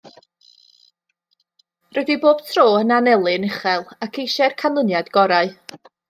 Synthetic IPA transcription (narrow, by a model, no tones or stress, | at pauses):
rɛdiboːb̥tʰroːənanɛlˠɨnɪχɛlˠakʰejʃɛrkʰanlˠənjadɡɔɾaɨ